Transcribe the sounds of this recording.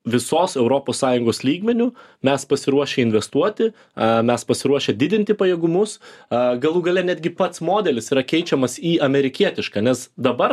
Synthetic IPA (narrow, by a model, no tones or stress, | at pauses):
ʋʲɪsoːsɛʊɾoːpoːssɑːjʊŋɡoːslʲiːɡmʲɛnʲʊmʲɛspɐsʲɪɾuɔʃʲeɪnʲʋʲɛst̪uɔt̪ʲɪ | mʲɛspɐsʲɪɾuɔʃʲeːd̪ʲɪd̪ʲɪnʲt̪ʲɪpɐjɛːɡʊmʊsɡɐlˠuːɡɐlʲɛnʲæːd̪ʲɡʲɪpɐt̪smoːd̪ʲɛlʲɪsiːɾɐkʲɛɪt͡ʃʲɛmɐsiːɐmʲɛɾʲɪkʲiɛt̪ʲɪʃkɑːnʲɛsd̪ɐbɐɾ